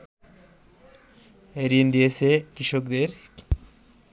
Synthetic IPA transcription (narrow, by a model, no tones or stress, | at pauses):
eɾind̪ijesekiʃokd̪eɾ